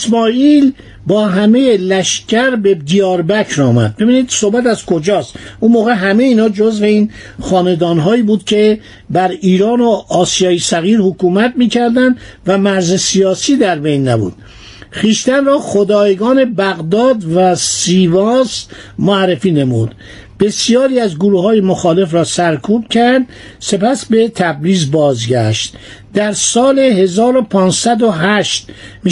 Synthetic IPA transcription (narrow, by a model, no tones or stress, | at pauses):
esmɒːiːl | bɒːɦæme̞jelæʃcʰæɾbe̞d̪ijɒːɾbæcʰɾɒːmæ̰d̪̚be̞biːniːd̪sohbæt̪æzkʰod͡ʒɒːst̪unmoːɣe̞ɦæmejiːnɒːd͡ʒozve̞iːn | χɒːne̞d̪ɒːnɦɒːiːbuːd̪̥cʰe̞ | bæɾiːɾɒːnoɒːsijɒːjesæɣiːɾhokuːmæt̪̚miːcʰæɾd̪ænd̪væmæɾzesijɒːsiːd̪æɾbe̞jnːæbṵːd̪̥ | χiːʃt̪ænrɒːχod̪ɒːjeɡɒːne̞bæɣd̪ɒːd̪væsiːvɒːs | moærːefiːne̞mud̪̥ | b̥e̞sijɒːɾiːæzɡoɾuːhɒːjemoxɒːle̞fɾɒːsæɾkʰuːb̥̚cʰæɾd̪ | se̞pæsbe̞t̪ʰæbɾiːzbɒːzɡæʃt̪ | d̪æɾsɒːleɦe̞zɒːɾopʰɒːnsæd̪oɦæʃt̪mi